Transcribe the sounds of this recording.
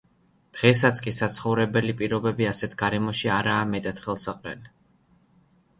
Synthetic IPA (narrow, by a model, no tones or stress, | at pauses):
d̪̥ʁɛs̬at̪sʰkʼisat̪sʰχɔvɾɛbɛlipʼiɾɔbɛbiasɛt̪ʰɡaɾɛmɔʃiaɾaːmɛt̪ʼat̪χɛlˠsaqʼɾɛ̰li